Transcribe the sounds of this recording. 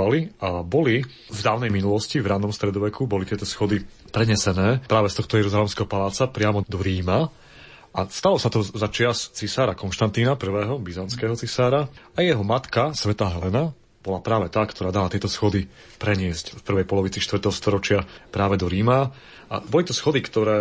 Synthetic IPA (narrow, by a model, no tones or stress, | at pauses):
aliʔabɔli | vd̪aːʊnɛjminulɔscivɾanɔmst̪ɾɛd̪ɔʋɛkʰubɔlit̪ɪɛt̪ɔsxɔd̪i | pɾɛɲɛsɛnɛːpɾaːʋɛst̪ɔxt̪ɔjɛɾuzalɛmskɛɦɔpalaːt͡sapɾɪamɔd̪ɔɾiːma | ʔast̪alɔsat̪ɔzat͡ʃɪast͡sisaːɾakɔnʃt̪ant̪iːnapr̩ʋɛːɦɔbizanskɛːɦɔt͡sisaːɾaajɛɦɔmat̪kasʋɛt̪aːɦɛlɛna | b̥ɔlapɾaːʋɛt̪aːkt̪ɔɾaːd̪alat̪ɪɛt̪ɔsxɔd̪i | pɾɛɲɪɛscfpr̩ʋɛjpɔlɔʋit͡siʃt̪ʋr̩t̪ɛɦɔst̪ɔɾɔt͡ʃɪapɾaːʋɛd̪ɔɾiːma | a̰bɔlit̪ɔsxɔd̪ikt̪ɔɾɛː